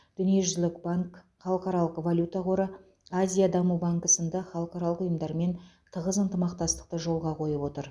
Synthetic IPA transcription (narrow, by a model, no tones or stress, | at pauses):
d̪̥ʏnije̞ʒʏzlɪkbaŋk | χɑlˠəqɑɾɑlˠəqvalʲjut̪aqʰo̞ɾə | azʲijad̪ɑmubaŋkəsənd̪ɑχɑlˠəqɑɾɑlˠəqʊjəmd̪ɑɾme̞n | t̪ʰəʁəzənt̪əmɑq̚t̪ɑst̪ə̥q̚t̪əʒo̞lˠʁɑqʰo̞jəpwo̞t̪əɾ